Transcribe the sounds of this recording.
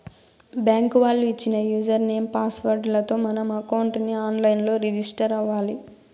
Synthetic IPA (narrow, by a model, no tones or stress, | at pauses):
bjaːŋkuʋaːɭːuit͡ʃːinɐjuːd͡ʒɐɾne̞ːmpaːsʋɐɾɖlɐt̪o̞ːmɐnɐmɐkɐwɳʈniaːnlɐjnlo̞ːɾid͡ʒisʈɐɾɐʋaːli